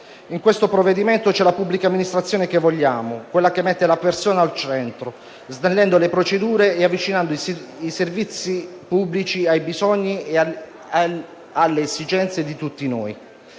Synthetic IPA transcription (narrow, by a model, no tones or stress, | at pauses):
iŋkwest̪opɾovːed̪iment̪ot͡ʃɛlapubːlikamːinist̪ɾat̪sːjoːnekevːoʎːaːmokwelːakemːɛt̪ːelapersoːnaːlt͡ʃɛnt̪ɾo | zd̪enlːɛnd̪olepɾot͡ʃed̪uːɾeeavːit͡ʃinand̪oiiservit̪sːipubːlit͡ʃiajbizɔɲːi | alːeːsid͡ʒɛnt̪sed̪it̪ut̪ːinoːj